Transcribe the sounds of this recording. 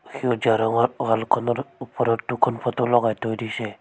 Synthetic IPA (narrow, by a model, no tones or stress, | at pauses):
xiɔd͡ʒaɾɔŋɔɾɡalkʰɔnɔɾupɔɾɔɾtukʰɔnpʰɔt̪ulɔɡajtɔjdisɛ